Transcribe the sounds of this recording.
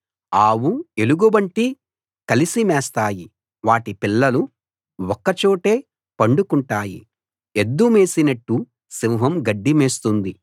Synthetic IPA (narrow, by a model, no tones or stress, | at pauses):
aːwue̞luɡubɐɳʈi | kɐlisimɛːst̪aːji | ʋaːʈipilːɐlu | ɔkːɐt͡ʃoːʈe̞ː | pɐɳɖukuɳʈaːjḭ | ed̪ːume̞ːsinɐʈːu | siʋɦɐmɡɐɖːime̞ːst̪und̪i